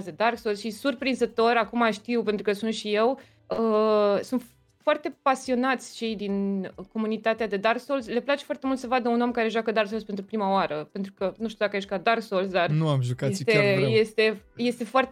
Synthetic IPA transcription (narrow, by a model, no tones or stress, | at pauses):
d̪ed̪arksolsʃisurpɾinzət̪o̞ɾakumaʃt̪iwpent̪ɾukəsunt̪ʃije̞w | əsunt̪ | foart̪e̞pasio̞nat̪sʲt͡ʃe̞jd̪inko̞munit̪at̪ead̪e̞d̪arkso̞lsle̞plat͡ʃefwart̪emult̪səvad̪əuno̞mkaɾe̞ʒwakəd̪aɾrksolspe̞nt̪ɾupɾimaoaɾəpe̞nt̪ɾukənuʃt̪iud̪akajeʃʲkad̪arksols̬d̪arnuamʒukaet̪eje̞st̪e̞je̞st̪e̞foart̪